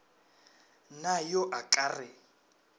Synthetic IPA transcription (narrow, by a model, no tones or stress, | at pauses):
najɔʔakʼarɪ